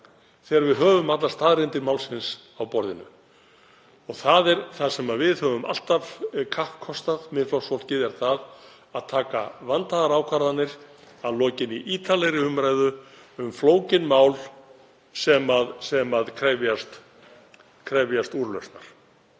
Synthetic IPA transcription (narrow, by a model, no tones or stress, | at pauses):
θɛːɣɾvɪðɦœːvʏmat̪last̪aːðɾɪnt̪ɪɾmawlsɪns | awpɔɾðɪnʏ̰ | ɔɣθaðɛɾθasɛmavɪðhœːvʏma̰l̥t̪av̥kʰahkʰːɔst̪aðmɪðflɔwsfɔl̥cɪðɛɾ̥θað | aðt̪ʰaːkavant̪aðaɾawkʰvaɾðanːɪɾ̥ | aðlɔːcɪniʔiːt̪ʰalɛɾɪʏmɾajðʏʏmfloːwcɪnmaːwl | sɛmaðsɛmaðkʰɾɛvjast̪ | kʰɾɛvjast̪uɾlœ̰ɥsna̰ɾ̥